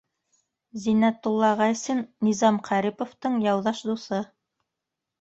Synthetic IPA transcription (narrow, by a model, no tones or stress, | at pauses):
zinæt̪ːulˠːɑʁɑsɘnːizɑmqʰɑɾipŏft̪ɤɴjɑwðɑʃd̪usɤ